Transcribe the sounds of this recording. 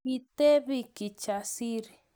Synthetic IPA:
it̪eβikit͡ʃasiɾi

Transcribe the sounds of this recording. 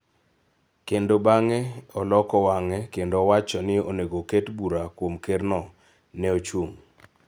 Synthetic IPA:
kendobaŋɛɔlɔkɔwaŋɛkendowat͡ʃɔnɪoneɡoketbuɾakwomkernɔ | nɛot͡ʃwoŋ

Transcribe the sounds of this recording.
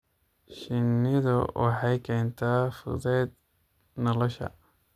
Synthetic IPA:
ʃɪnːɪðʊ̰wɑ̰ħɑjkʰɛːnt̪ʰaːfʊ̰ðɛːd̪̚ | nɐlɔʃɐ̰

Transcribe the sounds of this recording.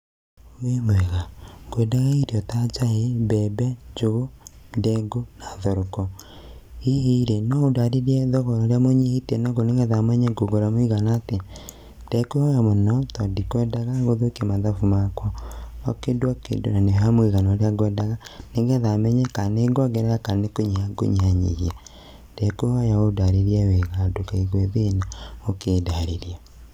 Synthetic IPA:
wemwɛɣaɡ̥oɛdaɣaiɾiɔtat͡ʃaebɛbɛd͡ʒoɣodɛɡonaðɔɾɔkɔ | ieiɾenɔodaɾeɾiɛðɔɣɔɾɔɾejamoɲehitɛnɔɡoneŋɡɛðamwɛɲɛɡoɡoɾamoiɣanate | d̥ɛkohɔjamɔnɔtɔdikwɛdaɣaɣoðokemaðafumakwɔɔkendwakḛndo̰naneɦamweɣanaoɾeaɣwɛdaɣaneŋɡɛðamɛɲɛkaneɡwaɡɛɾaakanekoɲeaɡo̰ɲeaɲḭɣia | dɛkuhajaodaɾeɾiawɛɣadokaiɣweðenaokeːdaɾeɾia

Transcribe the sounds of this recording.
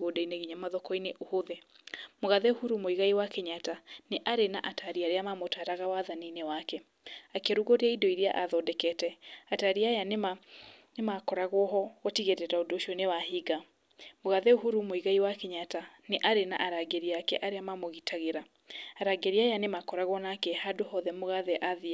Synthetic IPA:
ɣodaineɣiɲamaðɔkɔineʔohoðɛmoɣaðɛohuɾumoiɣaiwakeɲataneʔaɾena̰ʔataɾiaɾeamamotaɾaɣawaðaninewakɛ | akeɾuɣoɾeaidɔiɾia̰ʔaðɔdɛkɛtɛataɾiajanema | nemakɔɾaɣɔɦɔɔtiɣeɾɛɾaodoʃonewahiɡa | moɣaðɛoɦuɾumoiɣaiwakeɲataneʔaɾena̰ʔaɾaɡeɾiakɛ̰ʔaɾeamamoɣitʰaɣeɾa | aɾaɡeɾiajanemakɔɾaɣɔnakɛhadohɔðɛmoɣaðɛʔaðia

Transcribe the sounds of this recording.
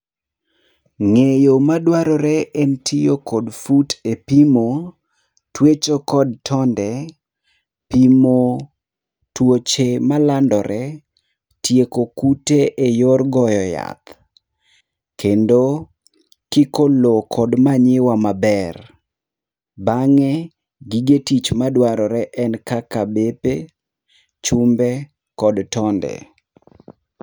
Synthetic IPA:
ŋejomadwaɾɔɾɛʔɛntʰijokʰɔdfutepimo | twet͡ʃokɔdtʰɔndɛ | pimo | twot͡ʃemalandɔɾʔɛ | tjekokuteʔejorɡɔjɔja̰t̪ | kendo | kɪkolokʰɔdmaɲɪwamabɛr | baŋɛ | ɡiɡetit͡ʃmadwaɾɔɾɛʔɛnkakabepe | t͡ʃʊmbɛ | kɔdtɔndɛ̰

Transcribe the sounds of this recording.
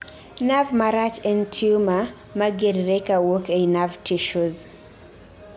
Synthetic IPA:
navmaɾat͡ʃɛntʰiuma | maɡɛɾiɾɛkawɔkɛnavtʰiʃuz

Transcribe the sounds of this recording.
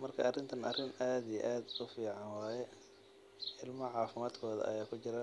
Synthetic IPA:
mɐrkʰɐ̰ʔɐrɪnt̪ʰɐnɐrɪnaːd̪ijɛʔaːd̪ʊfiːʕɑnwaːjɛ | ɪlmɐʕɑːfɪmaːd̪kʰɔːðɐ̰ʔɐ̰jaːkʰʊt͡ʃɪɾɐ

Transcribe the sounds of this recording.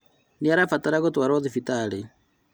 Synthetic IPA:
neaɾafataɾaɣotwaɾɔðifitaɾe

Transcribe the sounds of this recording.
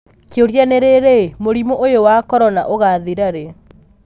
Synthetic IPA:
keoɾjaneɾeɾemoɾimoʔojowakɔɾɔna̰ʔoɣaðiɾaɾe

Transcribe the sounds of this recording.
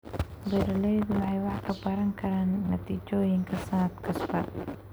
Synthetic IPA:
bɛːɾɐlɛjðʊwɑħɑjwɑħkʰɐbɐɾɐŋkʰɐɾaːnːɐt̪ʰiːt͡ʃɔːjɪŋkʰɐsɐnɐd̪kʰɐsbɐ

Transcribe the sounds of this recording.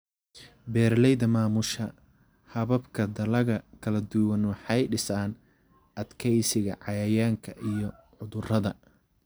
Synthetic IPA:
bɛːrlɛjðɐmaːmʊʃɐ | hɐβɐbkʰɐd̪ɐlɐɣɐkʰɐlɐd̪ʊwɐnwɑħɑjɖɪsaːn | ʔɐd̪kʰɛjsɪɣɐ̰ʕɑjɐjaːŋkʰɐʔijɞ | ʕʊðʊrɐðɐ

